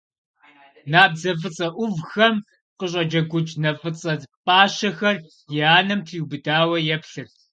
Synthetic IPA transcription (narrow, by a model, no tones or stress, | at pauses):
naːbzɐf̬ɨt͡sʼɐʔʷʊvxɐm | qəɕʼɐd͡ʒɐɡʷʊt͡ʃʼnɐfʼɨt͡sʼɐtpʼaːʃɐxɐr | jɪaːnɐmtʰɨjubɨdaːwɐjɛpɬɨr